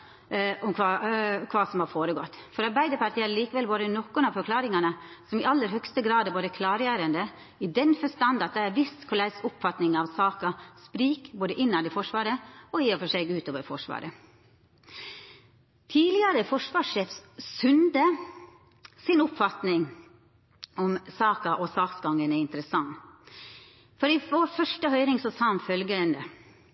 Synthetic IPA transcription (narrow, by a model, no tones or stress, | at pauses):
ʔɔmkʰʋɑːkʰʋɑːsɔmhɑfoːɾəɡɔt̪ːfɔɾɑɾbæɪd̪əpʰɑʈ̪ʰiːɛɾliːkəʋɛlboːd̪ənɔkːʊnɑʋfɔɾkʰlɑːɾɪŋɑnəsɔmɪʔɑlːəɾhœkst̪əɡɾɑːd̪boːd̪əkʰlɑːɾjæːɾənd̪ə | ɪd̪ɛnfɔʂt̪ɑnd̪ɑt̪̚d̪ɛæɾʋɪst̪kʰʊlæɪsʊpfɑt̪nɪŋɑʋsɑːkɑspɾiːkboːd̪əʔɪnːɑd̪ɛfɔʂʋɑːɾəɔjeːɔfɔʂɛɡʉːt̪oːʋəɾfɔʂʋɑ̰ːɾə | t̪ʰiːlɪəɾəfɔʂʋɑːʂeːfssʉnd̪ə | sɪnʊpfɑt̪nɪŋ | ɔmsɑːkɑʔɔsɑːksɡɑŋːənæɪnt̪ɾəsɑŋː | fɔɾɪʋoːɾfœʂʈəhœʏɾɪŋsɔsɑːɔmfœlɡəɾənd̪ə